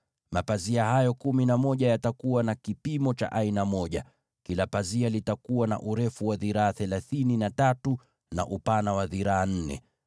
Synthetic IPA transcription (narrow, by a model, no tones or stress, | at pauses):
mapaziaɦajɔkuminamɔʄajatakuwanakipimɔt͡ʃa̰ʔainamɔʄa | kilapazialitakuwana̰ʔuɾɛfuwaðiɾaːθɛlaθininatatu | na̰ʔupanawaðiɾaːn̩nɛ̰